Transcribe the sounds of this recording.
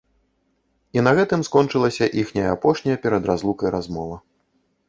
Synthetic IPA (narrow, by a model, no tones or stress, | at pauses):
inɐɣɛt̪ɨmskɔnt͡ʂɨlˠɐsʲɐʔixnʲɐjɐapɔʂnʲɐjɐpʲɛɾɐd̪ɾazlˠukɐjɾazmɔvɐ